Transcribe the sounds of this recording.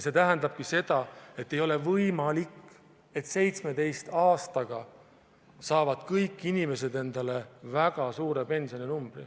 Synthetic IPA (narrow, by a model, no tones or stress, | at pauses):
se̞t̪æɦænd̪ɑb̥̚kise̞d̪̥ɑe̞t̪ːe̞jo̞le̞vɤjmɑlikː | e̞t̪se̞jt̪sme̞t̪e̞jst̪ɑːst̪ɑɡ̥ɑ | sɑːvɑd̪̥kɤjkːˑinime̞se̞d̪e̞nd̪ɑle̞væɡ̥ɑsuːɾe̞pe̞nsio̞ninumb̥rḭ